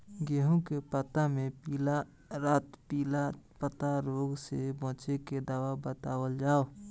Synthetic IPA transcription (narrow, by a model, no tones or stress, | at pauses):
ɡeɦũkepət̪amẽpiːla | ɾaːt̪piːlapət̪aɾoːɡsebɔ̃ːt͡ʃeked̪aːwabət̪aːwəld͡ʒaːo